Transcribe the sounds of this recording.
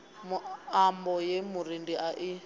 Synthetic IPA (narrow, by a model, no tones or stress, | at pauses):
muambɔjemuɾindiʔaʔi